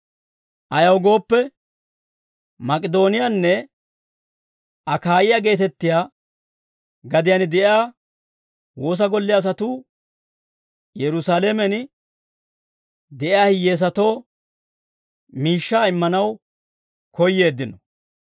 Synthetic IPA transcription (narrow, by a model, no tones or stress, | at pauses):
ʔɐjɐwɡo̞ːpːɛ | mɐkʼɪd̪o̞ːnɪjanːɛ | ʔɐkaːjɪjaɡe̞ːt̪ɛt̪ːɪjaː | ɡɐd̪ɪjɐnd̪ɛʔɪjaː | wo̞ːs̬ɐɡɔlːɪɐs̬ɐt̪uː | jɛɾʊsaːlɛmɛn | d̪ɛʔɪjaːhɪjːe̞ːs̬ɐt̪o̞ː | miːʃːaːɪmːɐnɐw | kɔjːe̞ːd̪ːɪnɔ